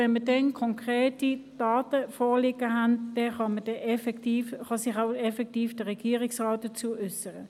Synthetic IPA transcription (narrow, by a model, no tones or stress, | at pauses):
ɛnmədɛnkʰɔŋkʁeːtid̥aːtəfoːlɪɡəɦand̥ɛχɑməd̥ɛɛfɛtiːfχɑsɪχaʊɛfɛk̚tiːfd̥əʁɛɡ̥iːʁɪksʁaːt̚d̥ət͡suːʔʏsəʁə